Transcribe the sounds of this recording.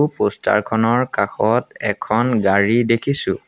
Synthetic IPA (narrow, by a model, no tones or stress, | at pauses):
posta̰ɹkʰɔnɔɹkaxɔtɛkʰɔnɡaɹidekʰisʊ̰̃